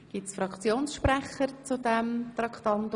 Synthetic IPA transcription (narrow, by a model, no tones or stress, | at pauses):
ɡ̥ɪtsfɾɑkt͡sjoːnsʃpɾɛχəɾt͡sud̪ɛmt̪ɾɑkʰt̪ɑnt̪